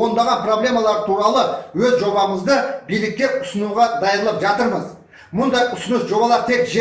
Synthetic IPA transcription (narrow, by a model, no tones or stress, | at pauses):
o̞nd̪ɑʁɑnpro̞blʲe̞mɑlˠɑɾt̪ʰuɾɑlˠəwɵzʒo̞bɑməzd̪əbijlɪk̚t̪ʲːe̞ɾʊsənuʁɑd̪ɑjnəlˠəpʒɑt̪əɾməz | mʊnd̪ɑjʊsənəsʒo̞bɑlˠɑɾt̪ʰe̞kʒe